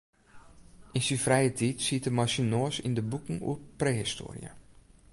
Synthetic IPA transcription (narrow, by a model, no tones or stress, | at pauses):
ʔinsinfrɛjətʰitsitəmasinoəsḭndəbukŋ̩ṵəprehisto̰ːrḭə̰